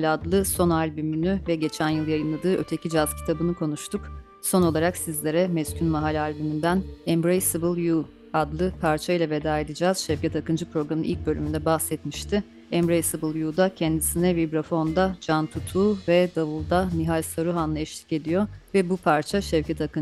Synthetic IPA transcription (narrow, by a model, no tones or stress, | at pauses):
lʲad̪lˠɯso̞nalʲbymynyvɛɟe̞t͡ʃʰænjɯlˠjajɯnlˠad̪ɯːʔø̞t̪ʰe̞cʰid͡ʒazcʰi̥t̪ʰabɯnɯkʰo̞nuʃt̪ʰuk | so̞no̞lˠaɾaksizlʲe̞ɾɛmɛscʰʲynmaɦalʲalʲbymynd̪ænɛmbɾejsɯbɯlˠju | ad̪lˠɯpʰaɾt͡ʃʰajlˠave̞d̪aːe̞d̪id͡ʒaːz̥ʃɛvcʰɛt̪akɯnd͡ʒɯpɾo̞ɡɾamɯnʔilʲc̚bø̞lʲymynd̪ɛbahsɛt̪miʃt̪ʰɪ | ɛmbɾejsɯbɯlˠjud̪acʰɛnd̪isinɛvibɾafo̞nd̪ad͡ʒant̪ʰut̪ʰuːvɛd̪avulˠd̪amiɦalʲsaɾuɦanˠaɛʃlʲicʲe̞d̪ijo̞vɛbupʰaɾt͡ʃʰaʃɛvcʰɛt̪ʰakɯn